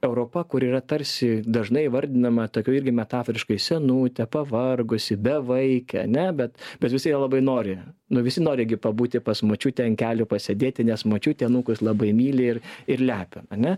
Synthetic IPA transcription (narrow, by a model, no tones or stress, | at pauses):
ɛʊɾoːpɐkʊɾiːrɐt̪ɐɾʲsʲɪd̪ɐʒnɐɪʋɐɾʲd̪ʲɪnɐmɐt̪oːkʲuːɪrʲɡʲɪmʲɛt̪ɑːfɾʲɪʃkɐɪsʲɛnuːt̪ʲɛpɐʋɐrɡʊsʲɪbʲɛʋɐɪkʲɛɐ̰nʲɛbʲɛt̪bʲɛt̪ʋʲɪsʲɪjɛlˠɐbɐɪnoːɾʲɪnʊʋʲɪsʲɪnoːɾʲɪɡʲɪpɐbuːt̪ʲɪpɐsmoːt͡ʃʲuːt̪ʲɛnkʲæːlʲʊpɐsʲɛd̪ʲeːt̪ʲɪnʲɛsmot͡ʃʲuːt̪ʲɛnuːkʊslˠɐbɐɪmʲiːlʲɪɪrɪrlʲæːpʲɪɐnʲɛ